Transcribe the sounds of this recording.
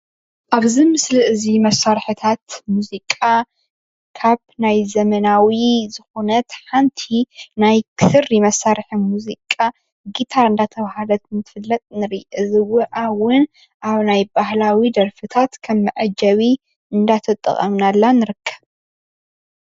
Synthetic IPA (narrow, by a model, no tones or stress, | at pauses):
ʔaβzimɨslɨʔɨzimɐsːaɾħɨt̪ʰat̪muzikʼa | kʰaβnajzɐmɐnawizɨxunɐt̪ħant̪ʰinajkʰɨsɨrimɐsːaɾħɨmuzikʼa | ɡit̪ʰaɾɨnd̪at̪ʰɐβhalɐt̪nt̪ʰɨ̥fɨlːɐt̪ʼnɨɾiʔɨzɨwɨʔawʊn | ʔaβnajbahlawid̪ɐɾfɨt̪ʰat̪kʰɐmːɨʕɐd͡ʒɐβi | ɨnd̪at̪ʰɐt̪ʼːɨ̰χʼɐ̰mnalːanɨɾɨkʰːɐ̥β